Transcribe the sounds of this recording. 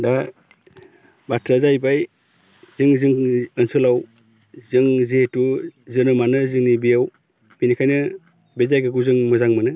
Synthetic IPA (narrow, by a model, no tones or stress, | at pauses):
da | batɾazajbaj | zɯŋzɯŋɯnsɯlaw | zɯŋzetuzɯnɯmanɯzɯŋnibijaw | binikʰajnɯ | bezajɡɯɡuzɯŋmɯzaŋmanɯ